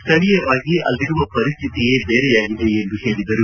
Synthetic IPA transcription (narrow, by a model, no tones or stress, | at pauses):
st̪ʰɐɭijɐʋaːɡiɐlːiɾuʋɐpɐɾist̪ʰit̪ijeːbeːɾɛjaːɡiðeend̪uheːɭid̪ɐɾu